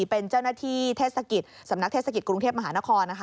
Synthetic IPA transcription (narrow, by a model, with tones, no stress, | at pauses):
pe˧nt͡ɕaː˥˩wnaː˥t̪ʰiː˥˩t̪ʰeː˥˩sa˧ki˨˩t̪̚sa˩˦mna˦˥t̪ʰe˥˩sa˧ki˨˩kɾu˧ŋtʰeː˥˩p̚ma˧ɦaː˩˦na˦˥kʰɔː˧nːa˦˥kʰ